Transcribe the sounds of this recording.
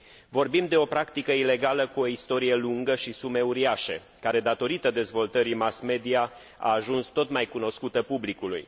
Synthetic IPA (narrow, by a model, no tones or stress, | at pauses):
vo̞rbimd̪e̞o̞pɾakt̪ikəile̞ɡaləkuo̞ist̪o̞ɾije̞luŋɡəʃisume̞uɾiaʃḛ | kaɾe̞d̪at̪o̞ɾit̪əd̪e̞zvo̞lt̪əɾimasme̞d̪ia | a̰ːʒunst̪o̞t̪majkuno̞skut̪əpublikulṵj